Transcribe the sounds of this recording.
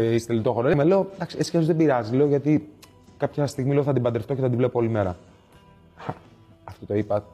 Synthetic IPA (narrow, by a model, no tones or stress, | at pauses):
ist̪elit̪oxoɾomele̞o̞d̪ɐksieskeozðebiɾɐzizle̞oʝɐt̪i | kɐpçɐst̪iɣmile̞oθɐd̪ibɐnd̪eft̪o̞ceθɐd̪ivle̞poolime̞ɾɐ̰ | ft̪ot̪o̞ipɐ